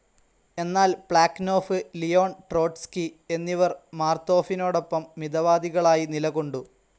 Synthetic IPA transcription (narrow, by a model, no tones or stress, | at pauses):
e̞nːaːlb̥ɭaːkno̞ːfɨlijo̞ːɳʈro̞ːʈskie̞nːiʋɐrmaːrt̪o̞ːfino̞ːɽo̞pːɐmːid̪ɐʋaːd̪iɣɐɭaːjinilɐɣoɳɖu